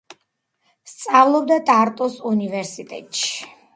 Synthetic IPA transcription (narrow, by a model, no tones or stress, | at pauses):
st̪sʼavlˠɔb̚d̪at̪ʼaɾt̪ʼɔsunivɛɾsit̪ʼɛ̰t̪ʼʃi̥